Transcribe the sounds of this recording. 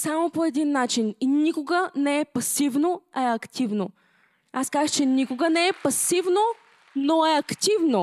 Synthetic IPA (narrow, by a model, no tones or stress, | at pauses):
samopoɛd̪inːat͡ʃininikoɡənɛɛpɐsivnoɛɐkt̪ivno | askazəxt͡ʃɛnikoɡənɛɛpɐsivno | noɛɐkt̪ivno